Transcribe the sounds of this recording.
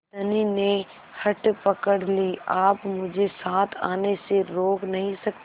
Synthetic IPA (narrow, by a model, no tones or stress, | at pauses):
ɐninẽ | hɐʈpɐkəɽliːaːpmʊd͡ʒʱesaːt̪ʰaːneseɾoːknɐɦĩsɐk̪